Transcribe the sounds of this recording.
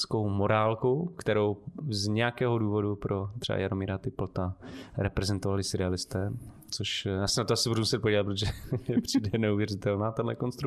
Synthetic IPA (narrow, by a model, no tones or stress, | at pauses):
t͡skowmo̞ɾaːlkokt̪ɛɾowzɲɛjakɛːɦoduːvo̞dupɾʔot̪r̥ɛ̰ba̰jaɾomiːɾat̪ɪpl̩t̪aɾɛpɾɛzɛnt̪ovalɪsɪɾɪalɪst̪ɛː | t͡soʃasɪnat̪oasɪbudumusɛt̪̚poɟiːlat̪pɾot̪oʒɛpr̥ijdɛnɛuvjɛrɪt̪ɛlnaːt̪adlɛ̰konst̪ɾu